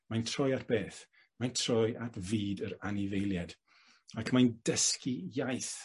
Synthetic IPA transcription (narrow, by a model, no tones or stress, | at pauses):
majntʰrɔjatb̥eːθ | majntʰr̥ɔjʔatʰviːdəɾanɪvejlˠjad | akʰmajndəskijajθ